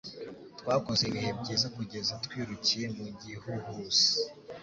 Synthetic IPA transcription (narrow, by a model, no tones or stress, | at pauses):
twaːkozeβiheb̚ɟezakuɟe̞zatkwiːɾucije̞muɲɟihuhusi̥